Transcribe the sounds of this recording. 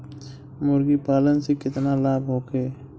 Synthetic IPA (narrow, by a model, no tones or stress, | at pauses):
mʊɾɡipaːlənsekɪt̪nalaːbɦoːkeː